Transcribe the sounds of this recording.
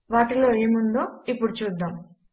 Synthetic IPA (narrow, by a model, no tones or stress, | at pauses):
ʋaːʈilo̞ːe̞ːmund̪o̞ːipːuɽut͡ʃuːd̪ːaːm